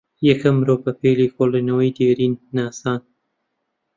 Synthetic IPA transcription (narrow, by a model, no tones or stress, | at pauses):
jɐkʰɐmɾoːbɐpeːlikoːlinɐwɐjd̪eːɾiːnːaːsaːn